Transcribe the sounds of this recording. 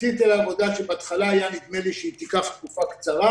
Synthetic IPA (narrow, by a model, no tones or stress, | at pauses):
t̪it̪elːvo̞d̪aʃebeat̪χalaːjanid̪meliʃeit̪ikaχt̪̚kufakt͡saʁa